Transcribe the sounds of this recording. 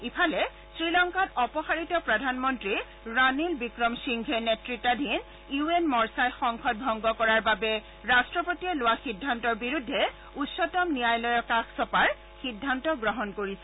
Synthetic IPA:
ipʰalɛ | sɹilɔŋkatɔpɔxaɹitɔpɹadʱanmɔntɹi | ɹanilbikɹɔmsiŋɡʱɛnetɹitːadʱin | juenmɔɹsajxɔŋkʰɔt̚bʱɔŋɡɔkɔɹaɹbabɛ | ɹastɹɔpotiɛlowaxidʱːantɔɹbiɹudʱːɛ | utsɔtɔmnijajlɔjɔkaxsɔpaɹ | xidʱːantɔɡɹɔɦɔnkoɹisɛ

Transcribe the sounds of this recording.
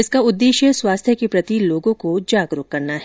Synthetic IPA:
ɪskaʊd̪ːeːʃjəswaːst̪ʰjəkipɾɐt̪iloːɡõkod͡ʒaːɡɾʊkːɐɾnaɦɛ

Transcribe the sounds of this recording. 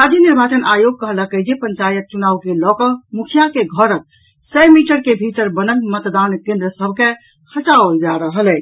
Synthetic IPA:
ɾad͡ʒjəniɾbat͡ʃənʔajoɡ̚kəɦlakəɦd͡ʒepəɲt͡ʃajət̪̚t͡ʃunawkelɔkəmukʰjakeɡʱəɾət̪̚ | səmiʈəɾkebʱit̪əɾbənəlmət̪d̪ankẽnd̪ɾəsəbʱke | kʰət͡ʃaold͡ʒaɾəɦəlɛ

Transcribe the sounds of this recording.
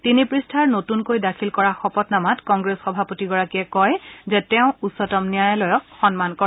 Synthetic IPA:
tinipɹistʰaɹnotunkojdakʰilkɔɹaxɔpɔtnamatkɔŋɡɹesxɔbʱapotiɡɔɹakiɛkɔjzɛtɛʊ̃usɔtɔmnijajɛlɔjɔk̚xɔnmankɔ

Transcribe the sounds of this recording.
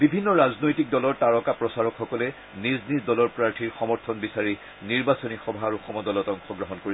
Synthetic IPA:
bibʱinːɔɹaznojtik̚dɔlɔɹtaɹɔkapɹɔsaɹɔkxɔkɔlɛ | niznizdɔlɔɹpɹaɹtʰiɹxɔmɔɹt̪ʰɔnbisaɹi | niɹbasɔnixɔbʱaɹuxɔmɔdɔlɔtɔŋxɔɡɹɔɦɔnkoɹi

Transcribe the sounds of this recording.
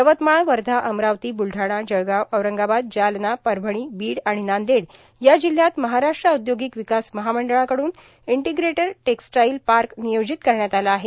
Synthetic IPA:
pɾəʋət̪maɳʋəɾd̪ʱaʔəmɾaʋt̪iːbulʈaɽ̃ad͡ʑəɡaəʋɾəŋɡabad̪̚d͡ʑalnapəɾbʱəɳ̃iːbiːɽaɽ̃inand̪eɽ | jad͡ʑil̤ːjat̪məɦaɾaʂʈɾaud̪joɡikʋikasməɦaməɳɖəɭãkəɽuːn | iɳʈiɡɾeʈəɾʈeksʈajilpaɾknijod͡ʑit̪kəɾɳjat̪alaːɦe

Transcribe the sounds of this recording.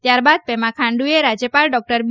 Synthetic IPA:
t̪jaɾbad̪̚pemãkʰãɳɖueɾad͡ʒjəpalɖɔk̚ʈəɾb

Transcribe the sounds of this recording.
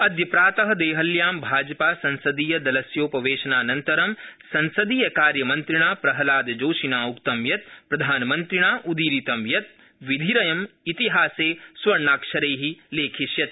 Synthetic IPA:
ɐd̪ʱjɐpɾaːt̪ɐɦɐ̆d̪eːɦɐljaːmbʱaːd͡ʒɐpaːsɐ̃nsɐd̪iːjɐd̪ɐlɐsjoːpɐʋeːʃɐnaːnɐnt̪ɐɾɐmsɐ̃nsɐd̪iːjɐkaːɾjɐmɐnt̪ɾiɳ̃aːpɾɐɦɐlaːd̪d͡ʒoːʃinaːukt̪ɐmjɐt̪̚pɾɐd̪ʱaːnmɐnt̪ɾiɳ̃aːʔud̪iːɾit̪ɐmjɐt̪̚ | ʋid̪ʱiɾɐjɐmit̪iɦaːseːswɐɾɳaːkʃɐɾeːɦileːkʰiʃjɐt̪

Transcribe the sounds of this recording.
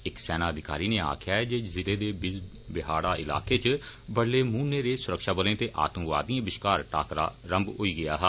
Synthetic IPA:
ɪksɛːnaːəd̪ɪkaːɾiːneːa̰ːkʰɪjaːd͡ʒɪzɪleːd̪eːbɪz | bɪɦaːɽaːɪla̰ːkeːt͡ʃbəɽleːmuːneːɾeːsʊɾəkʃaːbəlẽːt̪eːʔa̰ːt̪əmkʋa̰ːd̪ĩãːbɪʃkaːɾʈa̰ːkɾa̰ːɾəmbɦoːiːɡɪja̰ːɦɛ

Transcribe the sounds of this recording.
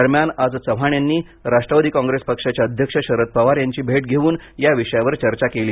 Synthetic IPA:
əɾmjanad͡zsəʋ̤aɳ̃janːiː | ɾaʂʈɾəʋad̪iːkãŋɡɾespəkʂat͡ɕjaəd̪ʱjəkʂəɕəɾət̪̚pəʋaɾjaɲt͡ɕiːbʱeʈ̚ɡʱeʋuːnjaʋiʂəjaʋəɾt͡ɕəɾt͡ɕakeliː

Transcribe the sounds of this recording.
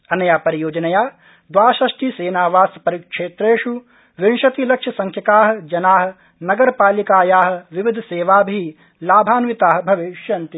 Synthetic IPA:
ɐnːɐjaːpɐɾijoːd͡ʒɐnɐjaː | d̪ʋaːʃɐʂʈiseːnaːʋaːspɐɾikʂeːt̪ɾeːʃu | ʋinʃɐt̪ilɐkʂɐsɐŋkʰjɐkaːɦɐ̆d͡ʒɐnaːɦɐ̆ | nɐɡɐɾpaːlikaːjaːɦɐ̆ʋiʋid̪ʱseːʋaːbʱiː | laːbʱaːnʋit̪aːɦɐ̆bʱɐʋiʃjɐnt̪i

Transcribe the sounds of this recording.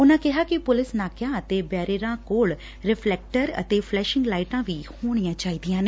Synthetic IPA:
ʊnãːkɪɦaːkɪpʊlɪsnaːkjãːət̪eːbɛːɾeːɾãːkoːɭ | ɾɪpʰlɛːk̚ʈəɾə̰t̪eːfʰlɛːʃɪ̃ŋɡlaːɪʈãːʋiːhoːɽ̃ijãːt͡ʃaːiːd̪ɪjãːne

